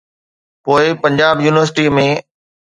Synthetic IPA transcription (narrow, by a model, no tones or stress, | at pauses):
poːɪpɐ̃ɲd͡ʑaːbjuːnɪʋəɾs̬ɪʈimẽː